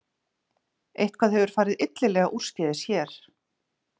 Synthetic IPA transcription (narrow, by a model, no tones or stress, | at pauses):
ejht̪̚kʰvaːðɦɛvʏɾ̥faːɾɪðɪt̪lɪlɛːɣaʔur̥scɛðɪsjɛɾ̥